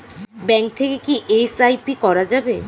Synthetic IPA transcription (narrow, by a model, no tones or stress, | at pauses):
bɛŋk̚t̪ʰekekiʔesajpikɔɾad͡ʑabe